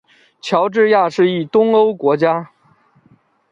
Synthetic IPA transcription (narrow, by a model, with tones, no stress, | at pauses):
t͡ɕʰjɑ˧˥ʊʈ͡ʂɻ̩˥˧ja˥˧ʂɻ̩˥˧i˥˩t̪ʊ˥ŋo˥ʊkwɔ˧˥t͡ɕja˥